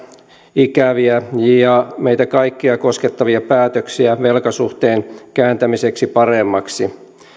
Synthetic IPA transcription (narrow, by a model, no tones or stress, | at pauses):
ikæʋiæjɑmeit̪ækɑikːiɑko̞sket̪ːɑʋiɑpæːt̪øksiæʋelkɑsuht̪eːnkæːnt̪æmiseksipɑremːɑksi